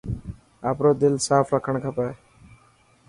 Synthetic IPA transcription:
apɾod̪ɪlsaːpʰɾakʰəɳ̃kʰapae

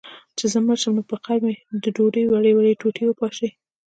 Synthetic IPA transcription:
t͡ʃezəməʃəmnopəqaɾmed̪əɖoɖəjwaɽəjwaɽeʈoʈʰewəpɑʃij

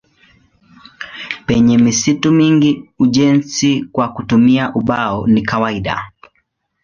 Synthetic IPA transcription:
pɛɲɛmisitumiŋɡiuʄɛnsikwakutumiaʔuɓaɔnikawaiɗa̰

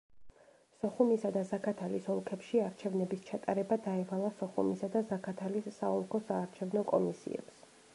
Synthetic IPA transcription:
sɔχumisad̪azakʰat̪ʰalisɔlˠkʰɛpʃiaɾt͡ʃʰɛvnɛbist͡ʃʰat̪ʼaɾɛbad̪aɛvalˠasɔχṵmisad̪azakʰat̪ʰalisːaɔlˠkʰɔsaːɾt͡ʃʰɛvnɔkʼɔmisḭɛ̰ps

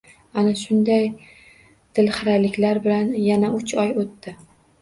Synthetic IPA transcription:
anaʃʊnd̪aj | d̪̥ɪlχɨɾalɪkʲlaɾbɪlanjanaʊt͡ʃʰɒjot̪ːɪ

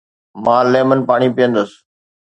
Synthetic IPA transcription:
mãːleːmənpaːɳ̃ipijə̃nd̪əs

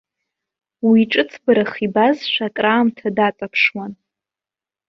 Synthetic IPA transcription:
wiʈ͡ʂʼɨt͡sʰbaɾaχibazʃʷakʼraːmtʰadat͡sʼapʰʂwan

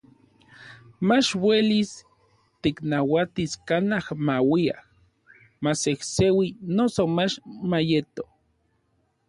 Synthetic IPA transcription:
mat͡ʃwelis | t̪iknawat̪iskanahmawia̰h | masehsewinosomat͡ʃmajet̪o

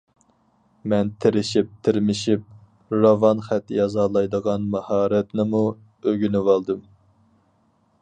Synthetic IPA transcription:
mɛnt̪ʰɪɾɪʃip̚t̪ʰɪɾmɪʃip̚ | ɾɑvɑnχɛt̪ːjɑzɑːlˠɑjd̪əʁɑnmɑhɑːɾɛt̪nɪmu | øɡʲynɪwɑlˠd̪ɨm

